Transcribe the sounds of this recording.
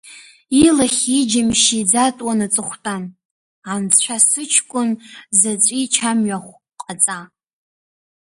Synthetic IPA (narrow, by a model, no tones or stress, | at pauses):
ilaχʲid͡ʒɪmʃid͡zatʼwanat͡sʼɨχʷtʼan | ant͡st͡ɕʷʰasɨt͡ʃʰkʷʼʊnzat͡sʷʼit͡ʃʰamɥaχʷ | qʼat͡sʼa